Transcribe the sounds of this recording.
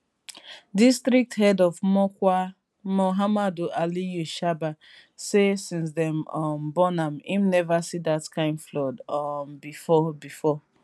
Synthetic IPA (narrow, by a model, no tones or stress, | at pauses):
distɾik̚thɛdɔvmɔkʷa | moɦamadoʔalijuʃaba | sesĩns̬dɛ̃mɔmbɔnamḭmnɛvasidatkãɪ̃nflɔdɔmbifɔbifɔ